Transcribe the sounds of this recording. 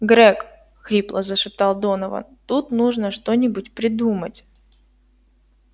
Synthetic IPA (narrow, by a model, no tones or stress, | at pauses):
ɡɾɛk | xɾʲiplˠəzəʂɨp̚t̪ɑlˠd̪o̞nəvə̰nt̪ut̪nuʐnəʂt̪o̞nʲɪbʊtʲpɾʲɪd̪umətʲ